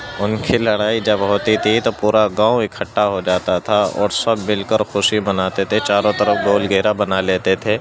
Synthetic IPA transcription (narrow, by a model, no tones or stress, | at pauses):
ʊnkʰelɐɽaːid͡ʒɐbɦoːt̪it̪ʰit̪opuːɾaɡãːuekʰːɐʈːaɦod͡ʒaːt̪at̪ʰaɔ̰ːɾsɐbmɪlkəɾxʊʃibɐnaːt̪et̪ʰet͡ʃaːɾõt̪ɐɾəfɡoːlɡeɦɾabɐnaleːt̪et̪ʰeː